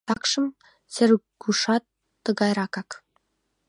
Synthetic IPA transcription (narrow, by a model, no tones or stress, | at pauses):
t̪ɑkʃɤ̆m | sɘ̆rɡuʃɑt̪ː | ɤ̆ɣɑjɾɑkɑk